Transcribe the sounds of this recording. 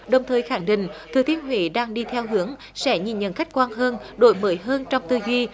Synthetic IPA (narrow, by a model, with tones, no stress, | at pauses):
ɗə˨˩wŋ͡mt̪ʰəː˨˩jxaː˧˩ŋɗḭ̈˧˨ŋ̟t̪ʰɨː˨˩t̪i˧˩ənɦwḭ˧˩ɗaː˧ŋɗi˧t̪ʰɛ˧wɦɨ˨˦əŋ | sɛ̰˧˥ɲi˨˩nɲə̰˧˨˥nxa˦˥jk̟̚kwaː˧nɦəː˧nɗo˧˦jməː˨˦jɦəː˧nt͡ɕɔ˧wŋ͡mt̪ɨ˧zwi˧